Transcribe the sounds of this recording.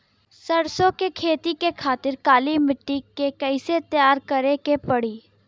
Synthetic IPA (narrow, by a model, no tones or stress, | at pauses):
sɐɽsõkekʰeːt̪ikekʰaːt̪ɪɾkaːlimɪʈːikekɛɪset̪jaːɾkɐɾekepɐɽiː